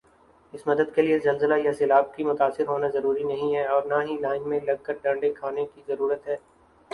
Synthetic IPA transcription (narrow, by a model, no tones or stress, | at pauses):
ɪsmɐd̪əd̪̚keliezɐlzəlajasɪlaːb̚kimʊt̪aːsɪɾɦoːnazɐɾuːɾinɐɦĩɦɛɔːɾnaɦilaːɪnmẽlɐɡ̚kɐɾʈɐ̃ɳɖekʰaːnekizɐɾuːɾət̪ɦɛː